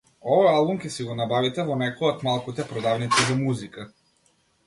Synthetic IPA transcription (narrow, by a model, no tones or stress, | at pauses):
ɔvɔjalˠbumkʲɛsiɡɔnabavit̪ɛvɔnɛkɔɔt̪malˠkut̪ɛpɾɔd̪avnit̪izamuzika